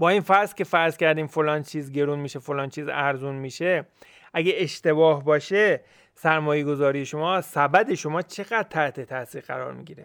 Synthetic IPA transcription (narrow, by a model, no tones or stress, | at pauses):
bɒːiːnfæɾzcʲe̞fæɾzcʲʰæɾd̪iːmfolɒːnt͡ʃʰiːzɟe̞ɾuːnmiːʃefolɒːnt͡ʃʰiːzæɾzunmiːʃe̞ | ʔæɡeːʃt̪e̞bɒːhbɒːʃe | sæɾmɒːje̞ɡo̞zɒːɾijeʃo̞mɒːsæbæd̪e̞ʃo̞mɒːt͡ʃʰe̞ɣæd̪̥̚t̪ʰæht̪ʰe̞t̪ʰæsiːɾæ̰ɾɒ̰ːɾmḭːɡiːɾe